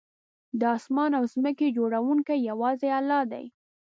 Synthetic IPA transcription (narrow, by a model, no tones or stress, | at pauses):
d̪əɑsmɑnawzməked͡ʒoɽawuŋkajawɑzealːɑd̪a̰j